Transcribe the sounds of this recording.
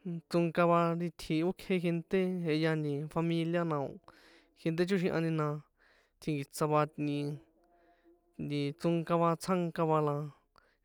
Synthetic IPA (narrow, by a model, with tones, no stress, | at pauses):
t͡sũ˧ŋka˧βa˧ɾi˧t̪ʰi˧o˦kʰe˧ɦe˧nt̪e˦ɦe˧ja˧nd̪ĩ˧fa˧mĩ˧lja˦nã˧õ̰˧ | xe˧nt̪̬e˦t͡ʃu˦ʃĩ˧ʔã̰˧nĩ˧nã˧ | t̪ʰĩ˧ŋɡi˨t͡sa˧βa˧t̪nĩ˧ | nd̪ĩ˧t͡su˧ŋka˧βa˧t͡sʰã˦ŋka˧βa˧lã˧